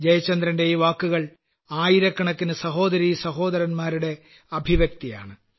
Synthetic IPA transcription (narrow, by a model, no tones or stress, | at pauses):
d͡ʑɐjɐt͡ɕːɐnd̪rɐnde̞jʋaːkːuɣɐɭ | aːjiɾɐkːɐɳɐkːinɨsɐɦo̞ːd̪ɐɾiːsɐɦo̞ːd̪ɐɾɐnmaːɾuɽe̞ | ɐbʱiʋjɐk̚t̪ija̰ːɳɨ